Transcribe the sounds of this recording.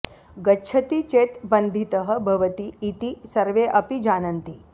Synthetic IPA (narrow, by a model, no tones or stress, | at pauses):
ɡətːt͡ʃʰɐt̪it͡ʃet̪bənd̪ʱit̪əɦə̆bʱɐʋət̪iːt̪isɐɾʋeʔɐpid͡ʒanɐnt̪i